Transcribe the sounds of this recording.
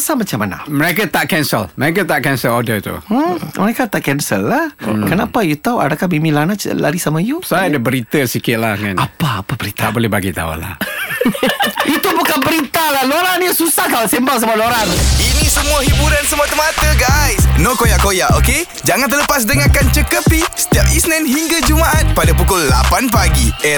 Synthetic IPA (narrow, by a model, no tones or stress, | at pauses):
samat͡ʃamːana̰məɾekat̪aʔkɛnsə̰lməɾek̬at̪aʔkɛnsəlodət̪ṵməɾekat̪aʔkɛnsə̰lːahkənapajut̪auʔa̰dakamimĩlanat͡ʃla̰ɾisamajusadəbəɾit̪əsikɪt̪̚lahŋanapaapabəɾit̪abolɛhbaɡit̪a̰ṵla̰h | ʔit̪ubukanbəɾit̪alahloɾanjasusahkalasembals̬əmualoɾaninisəmuaɦibuɾansəmuat̪əmat̪əɡajsnokojaʔkojaʔoke | d͡ʒaŋant̪̬ələpas̬dəŋakant͡ʃəkəpisə̥t̪iap̚isnɛnɦiŋɡad͡ʒumaʔat̪̚padapukʊlːapanpaɡiɛ